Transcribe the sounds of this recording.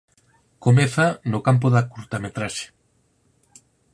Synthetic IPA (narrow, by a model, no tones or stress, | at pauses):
komeθɐnokamp̬oðakuɾt̪amet̪ɾaʃe̥